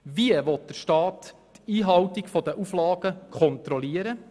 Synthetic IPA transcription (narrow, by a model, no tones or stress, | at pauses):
ʋiəʋɔtd̥əɾʃtɑːt | tiːɦɑwtɪkfɔd̪əʔuflɑːɡ̥əkʰɔnt̪ɾɔliəɾə